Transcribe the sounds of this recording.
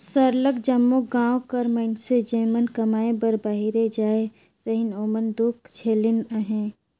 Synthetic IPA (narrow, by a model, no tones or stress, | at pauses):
səɾləkd͡ʒəmːoɡãːwkəɾməɪnsed͡ʒeːmənkɐmaːẽbəɾbaːɦiɾed͡ʒaːe | ɾəɦɪnoːmənd̪ʊkt͡ʃʰeːlɪnəɦẽː